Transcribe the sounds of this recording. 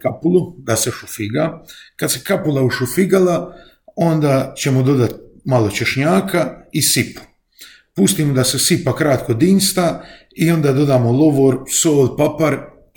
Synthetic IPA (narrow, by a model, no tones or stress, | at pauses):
kapulˠud̪aseʃufiɡakad̪sekapulˠauʃufiɡala | o̞nd̪aːt͡ɕe̞mod̪o̞d̪at̪̚malo̞t͡ɕe̞ʃɲaːkaisipu̥ | pust̪iːmod̪asesipakɾat̪kod̪iːnst̪a | io̞nd̪aːd̪o̞d̪aːmolˠoʋoɾsoːlpapaɾ